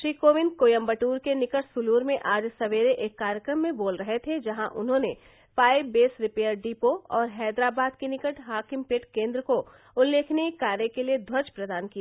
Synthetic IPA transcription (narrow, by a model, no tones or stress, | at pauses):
ʃɾiːkoːʋɪnkoːjə̃mbəʈuːɾkenɪkəʈsʊluːɾmẽʔaːd͡ʒsɐʋeːɾeʔeːkːaːɾjəkɾəmːẽboːlɾɐɦet̪ʰed͡ʒɐɦãʔʊ̰nɦõne | faːɪbbeːsɾɪpeːəɾɖiːpoɔːɾɦɛːd̪ɾaːbaːd̪̚kenɪkəʈɦaːkɪmpeʈkẽːnd̪ɾəko | ʊlːeːkʰnekaːɾjəkelied̪ʱwɐt͡ʃpɾɐd̪aːnkija